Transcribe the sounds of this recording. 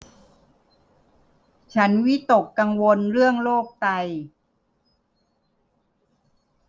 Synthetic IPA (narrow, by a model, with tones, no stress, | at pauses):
t͡ɕʰa˦˥nwi˦˥t̪o˨˩kːa˧ŋwo˧nɾɯ˥˩əŋloː˥˩k̚t̪a˧j